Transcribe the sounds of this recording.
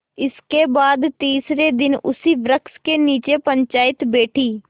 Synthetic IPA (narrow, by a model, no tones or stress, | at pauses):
ɪskebaːd̪t̪iːsɾed̪ɪnʊ̰siʋɾəkskeniːt͡ʃepə̃ɲt͡ʃaːɪt̪beːʈʰiː